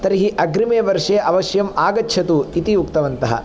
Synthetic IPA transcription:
t̪ɐɾiɦiʔɐɡɾimeːʋɐɾʂeːʔɐʋɐʃjɐmaːɡɐtːt͡ʃʰɐt̪uit̪ijukt̪ɐʋɐnt̪ɐɦɐ̰

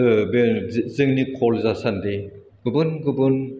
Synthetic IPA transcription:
bzɯŋnikʰɔlzasande | ɡ̥ɯbɯnɡɯbɯn

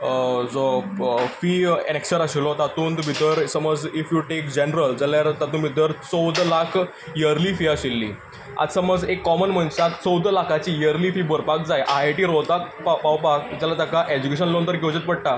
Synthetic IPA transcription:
d͡zofiːeneksəɾaɕelɔt̪at̪uːnt̪bit̪əɾsəməd͡zifjuʈekd͡ʑenɾəld͡zəljaɾt̪at̪uːnbʱit̪əɾt͡səwd̪lakʰ | jəɾlifiːəɕelːḭː | a̰t̪səməd͡zekːɔmənmənsakt͡sɔwd̪lakʰat͡ɕijəɾlifiːbəɾpak̚d͡zajʔajʈiːɾot̪ak̚papawpakd͡zɛlat̪akaʔɛd͡ʑukeɕənlõnt̪əɾkewd͡ʑet̪̚pəɽʈa

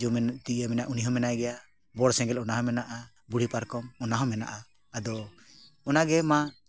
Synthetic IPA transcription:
d͡ʒɔmɛnt̪iamɛnaʔuniɦɔmɛnajɡɛja | bɔɽsɛ̃ŋɡɛlɔnaɦɔ̃mɛnaʔa | buɽ̤ipaɾkɔmɔnaɦɔ̃mɛna̰ʔaː | d̪ɔ | ɔnaɡɛma

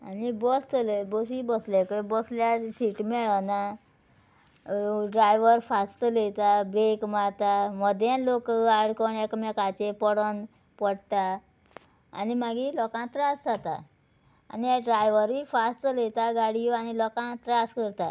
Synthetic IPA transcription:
a̰nibɔst̪əlebɔsibɔslɛkəbɔsljasiʈmɛɭəna | ɖɾajʋəɾfast̪əlet̪abɾekmaɭt̪aməd̪ʱjẽlokaɽkɔɳekmɛkat͡ɕepɔɽɔn | pəɽt̪a̰ː | nimaɡilɔkãt̪ɾasd͡zat̪a̰ | a̰nijaɖɾajʋəɾifast̪əlet̪aɡaɽijoanilɔkãt̪ɾaskəɾt̪a

